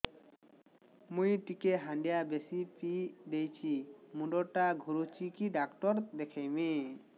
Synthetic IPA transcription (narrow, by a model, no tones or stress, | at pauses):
mujʈikeɦaɳɖijabesipid̪ejt͡ɕʰimũɖɔʈaɡʱuɾut͡ʃikiɖakʈɔɾd̪ekʰejmẽ